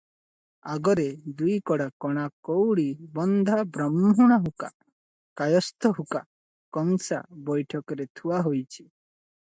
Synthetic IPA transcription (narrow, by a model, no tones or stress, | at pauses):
aɡɔɾed̪ujkɔɽakɔɽ̃akowɽibɔnd̪ʱabɾɔmɦɔɽ̃ɔɦuka̰ | kajɔst̪ʰɔɦuka̰ | kɔŋsa̰bɔjʈʰɔkɔɾet̪ʰuwaɦojt͡ʃʰi̥